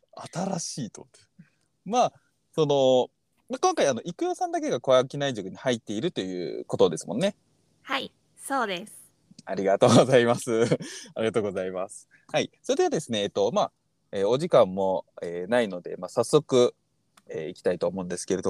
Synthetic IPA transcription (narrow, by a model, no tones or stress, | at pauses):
at̪aɾaɕiːt̪o̰ | ma | so̞no̞ | makõ̞ŋkaiano̞ʔikɯ̟josãnd̪ak̬e̞ɡako̞βakʲinaiʑokɯ̟ɲ̟ihait̪ːe̞iɾɯ̟t̪o̞jɯ̟̰ːko̞t̪od̪e̞sɨmõ̞nːe̞ | hai | soːd̪es | a̰ɾʲiɡat̪o̞ːɡozaimasɨaɾʲiɡat̪oːɡo̞zaimasɨ̥ | haiso̞ɾed̪e̞βad̪e̞sɨne̞ːt̪ːo̞ma | eːo̞ʑikãmːo̞eːnaino̞d̪e̞̰masasːo̞kɯ̟ | ḛːikʲi̥t̪ait̪oːmo̞ɯ̃nd̪e̞sɨ̥ke̞ɾe̞d̪o